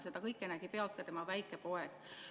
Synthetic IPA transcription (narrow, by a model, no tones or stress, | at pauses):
se̞d̪ɑkɤjkːˑenæɡ̥ipe̞ɑlt̪̚kɑt̪e̞mɑvæjkːˑe̞po̞eɡ̥